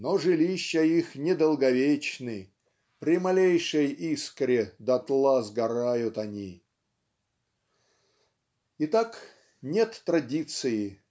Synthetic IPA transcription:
noʐɨlʲiɕːəixnʲɪd̪əlˠɡɐvʲet͡ɕnɨ | pɾʲɪmɐlʲejʂəjiskɾʲɪd̪ɐt̪lˠazɡɐɾajʊt̪ɐnʲi | ɪt̪ak | nʲet̪ːɾɐdʲit̪sɨjɪ

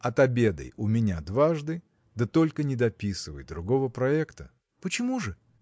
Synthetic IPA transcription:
ɐt̪ɐbʲe̞d̪ə̰jʊmʲɪnʲad̪vaʐd̪ɨ | d̪ət̪o̞lʲkənʲɪd̪ɐpʲisɨvə̰jd̪ɾʊɡo̞vəpɾɐɛkt̪ə | pət͡ɕɪmuʐɨ

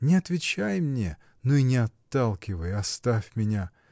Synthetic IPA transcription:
nʲɪɐt̪vʲɪt͡ɕajmnʲe | noinʲɪɐt̪ːalˠkʲɪvəjɐst̪afʲmʲɪnʲa

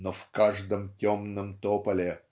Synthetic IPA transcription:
nofkaʐd̪əmtʲomnəmt̪opɐlʲɪ

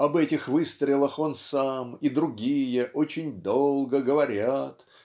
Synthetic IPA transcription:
ɐbɛtʲɪxvɨst̪ɾʲɪlˠəxo̞nsamid̪ɾʊɡʲijəʔo̞t͡ɕɪnʲd̪o̞lˠɡəɡəvɐɾʲat̪

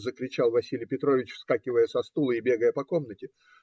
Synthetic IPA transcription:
zəkɾʲɪt͡ɕalˠvɐsʲilʲɪjpʲɪt̪ɾo̞vʲɪt͡ɕfskakʲɪvəjəsɐst̪ulˠəɪbʲeɡəjəpɐko̞mnətʲɪ

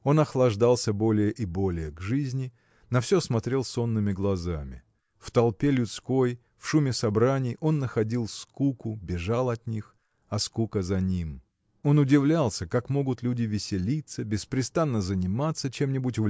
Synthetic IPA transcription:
o̞nɐxlˠɐʐd̪alˠsʲəbo̞lʲɪjəʔɪbo̞lʲɪjəɡʐɨzʲnʲɪ | nɐfsʲosmɐt̪ɾʲe̞lˠso̞nːɨmʲɪɡlˠɐzamʲɪ̰ | ft̪ɐlˠpʲelʲʊt̪skoj | fʂumʲɪsɐbɾanʲɪjo̞nːəxɐdʲilˠfskukʊbʲɪʐalˠɐt̪ʲnʲix | ɐskukəzɐnʲim | o̞nʊdʲɪvlʲalˠsʲəkakmo̞ɡʊt̪lʲudʲɪvʲɪsʲɪlʲit̪səbʲɪspɾʲɪst̪anːəzənʲɪmat̪sːət͡ɕe̞mnʲɪbʊtʲv

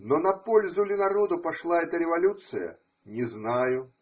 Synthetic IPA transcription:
nɔnɐpɔlʲzulʲɪnaɾɔd̪upaʂlˠaɛt̪ɐɾʲɛvalʲut̪sɨjɐ̰ | nʲɛznajʊ

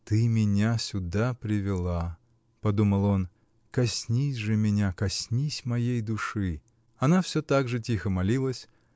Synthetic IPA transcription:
t̪ɨmʲɪnʲasʲʊd̪apɾʲɪvʲɪlˠa | pɐd̪uməlˠo̞n | kɐsʲnʲisʲʐɨmʲɪnʲakɐsʲnʲisʲmɐjejd̪ʊʂɨ | ɐnafsʲot̪aɡʐɨtʲixəmɐlʲilˠəsʲ

